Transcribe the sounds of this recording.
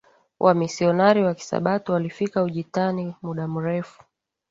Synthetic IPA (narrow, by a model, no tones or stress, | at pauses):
wʔamisiɔnaɾiwaki̥sa̰ɓatiwalifikauʄitanimuɗam̩ɾɛfu̥